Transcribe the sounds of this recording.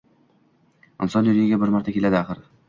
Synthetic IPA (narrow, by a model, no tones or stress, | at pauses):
ɪnsɒnjʊlɪɡʲɪɡʲabɪɾmaɾt̪ʰakʲʰelad̪ɪaχɨɾ